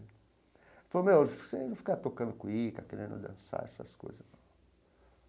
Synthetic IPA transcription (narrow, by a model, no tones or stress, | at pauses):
fomefsenũfi̥kat̪okɐ̃nd̪ʊkũikakeɾẽnd̪ṵd̪ɐ̰̃nsa̰ɛsɐ̰sko̰jzɐ